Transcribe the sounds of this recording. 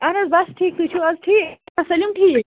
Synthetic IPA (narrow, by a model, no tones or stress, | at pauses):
anɐzbɐsʈʰiːk̚t̪ut͡ʃʰuɐzʈʰiːasɐlimʈʰik